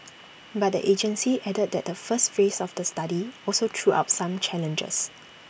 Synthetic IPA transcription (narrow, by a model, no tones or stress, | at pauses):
bat̚də̰ʔed͡ʒə̃nsiʔɛdəd̚dɛt̚dəfəstfesɔfdəstadiɔlsodɹua̰ʊt̚sãmt͡ʃɛlə̃nd͡ʒə̰s